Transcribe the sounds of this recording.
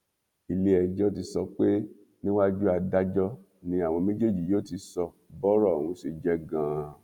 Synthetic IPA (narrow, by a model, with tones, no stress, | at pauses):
i˧le˦ɛ˧d͡ʒɔ˦ti˧˦sɔ˧k͡pe˦ | nĩ˦wa˦d͡ʒu˦a˧da˦d͡ʒɔ˦ | nĩ˧a˨w̃ɔ̃˧mẽ˦d͡ʒe˦d͡ʒi˨joː˦ti˧sɔ˧ | bɔ˦ɾɔ˦˨ũ˨˧si˨d͡ʒɛ˦ɡã˨˧